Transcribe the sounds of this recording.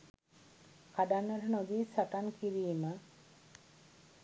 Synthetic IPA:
kaɖanːəʈənod̪iːsaʈankiɾiːmə

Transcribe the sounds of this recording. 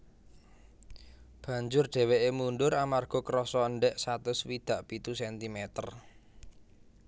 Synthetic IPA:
b̥ä̤ɲd͡ʒʊrɖ̪̥ɛ̤weʔemuɳɖʊɾamarɡ̥ɔ̤kəɾɔsɔəɳɖɛʔsat̪ʊswid̪̥a̤ʔpit̪usɛnt̪imɛt̪ər

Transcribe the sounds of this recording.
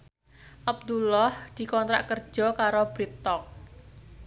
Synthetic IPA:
ʔab̚d̪ulɔhd̪̥i̤kɔnt̪ɾa̰ʔkər̥d͡ʒ̥ɔ̤kaɾob̥ɾit̪ɔk̚

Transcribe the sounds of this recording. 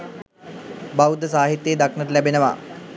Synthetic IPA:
bawd̪əs̬aːɦit̪jeːd̪aknətəlæbenəʋa̰

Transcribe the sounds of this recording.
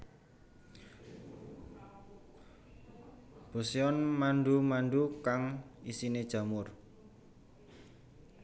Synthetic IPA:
b̥o̤seɔnmanɖumanɖukaŋisined̥ʒ̥a̤mʊr

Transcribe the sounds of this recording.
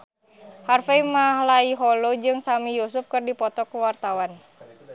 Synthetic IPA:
harfeimahlaiɦɔlod͡ʒɨŋsamijusuf̚kɨrdipɔt̪ɔkəwart̪awan

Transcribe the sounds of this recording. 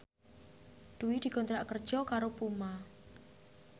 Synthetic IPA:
d̪̥uwid̪̥i̤ɡ̥ɔnt̪ɾaʔkərd̥ʒ̥ɔkaɾopuma

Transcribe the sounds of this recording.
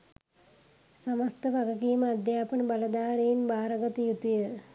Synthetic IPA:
saməst̪əʋaɡəkiːməad̪jaːpənəbalɐd̪aːɾeinbaːɾəɡət̪əjut̪ujə

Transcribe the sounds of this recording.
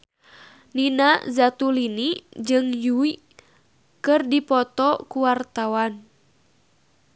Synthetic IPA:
ninazat̪ulinid͡ʒɨŋjui | kɨrdipɔt̪ɔkuwart̪awan

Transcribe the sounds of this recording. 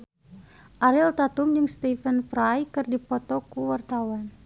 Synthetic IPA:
ʔaɾilt̪at̪umd͡ʒəŋst̪ifənfɾajkɨrdipɔt̪ɔkəwart̪awan

